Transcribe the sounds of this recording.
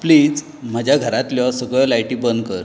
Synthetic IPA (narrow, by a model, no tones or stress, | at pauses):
pliːd͡z | m̤ad͡ʑʱjaɡʱəɾat̪ljɔsəɡɭɔlajʈibənd̪̚kəɾ